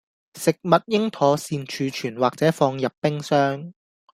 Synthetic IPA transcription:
sɪ˨k̚mɐ˨t̚jɪ˥ŋt̪ʰɔː˨˥siː˧nt͡ʃʰyː˨˧t͡ʃʰyː˨˩nwaː˨k̚t͡sɛː˨˥fɔː˧ŋjɐ˨pːɪ˥ŋsœː˥ŋ

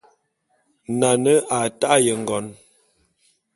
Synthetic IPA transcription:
na˨nə˦a˨ta˦jə˨ŋ˨ɡɔ˨˦n

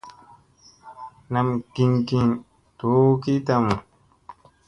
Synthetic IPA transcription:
na˨mɡi˨ŋɡĩ˨n | to˨˦ki˦ta˦˧mu˨

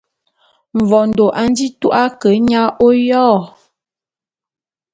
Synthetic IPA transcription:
ɱ̩˨vɔ˨n̩˨do˨ʔa˨n̩˦di˦tu˦ʔa˦kə˨˦ɲa˦ʔo˦jɔː˦˨

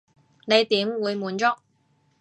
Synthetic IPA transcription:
ne˨˧jt̪iː˨˥mwuː˨˧jmuː˨˧nt͡ʃɔ˥k̚

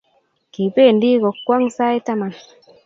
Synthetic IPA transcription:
ki˨pe˦˨ndi˦kɔ˨kːwa˦ŋsa˦i˦ta˦ma˨n

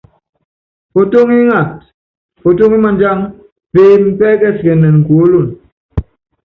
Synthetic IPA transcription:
o˨to˦ŋi˦ŋa˨t̚ | po˨to˦ŋi˦ma˨nd͡ʒa˦ŋ | peː˦˨m̩˦pɛ˦kɛ˦˨skɛ˨nːɛ˨nŋ̩˨ku˨o˦lo˦˨n

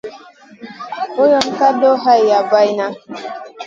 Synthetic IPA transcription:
o˦jɔ˨n̩˦ka˦do˦ɦa˦jja˨ba˦jna˦

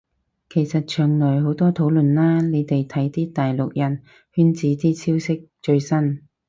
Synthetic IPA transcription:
kʰe˨˩jsɐ˨t̚t͡ʃʰœː˨˩ŋlœː˨˩jɦo˨˥wt̪ɔː˥t̪ʰo˨˥wlɵ˨nlaː˥ne˨˧jt̪e˨jt̪ʰɐ˨˥jt̪iː˥t̪aː˨jlʊ˨k̚jɐ˨˩n | hyː˥nt͡siː˨˥t̪iː˥t͡sʰiː˥wsɪ˥k̚t͡ʃɵ˧ɥsɐ˥n

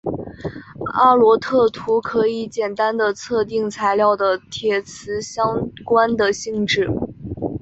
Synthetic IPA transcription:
a̰˥˩lwɔ˧˥t̪ʰɤ˥˩t̪ʰu˧˥kʰɤ˧˥i˧˩˦t͡ɕjɛ˨˩nt̪a˥nd̪ə˨t͡sʰɤ˥˧t̪̬i˥˧ŋt͡sʰa˧˥ɪljɑ˥˩ʊd̪ə˩t̪ʰjɛ˨˥˩t͡sʰɹ̩˧˥ɕjɑ˥ŋkwa˥nd̪ə˨ɕi˥˧ŋʈ͡ʂɻ̩˥˩

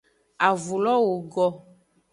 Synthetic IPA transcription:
a˨vu˨lɔ˦wo˨ɡɔ˦

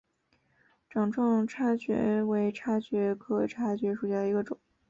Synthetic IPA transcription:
ʈ͡ʂɑ˨˩ŋʈ͡ʂʰɑ˥˩ŋʈ͡ʂʰa˥˩ɕɥɛ̰˧˥we˧˥ɪʈ͡ʂʰa˥ɕɥɛ˧˥kʰɤ˧˩ʈ͡ʂʰa˥˩ɕɥɛ˧˥ʂu˨˩ɕja˥˩d̪ə˩i˧˥ɡə˧ʈ͡ʂʊ̰˨˩˦ŋ

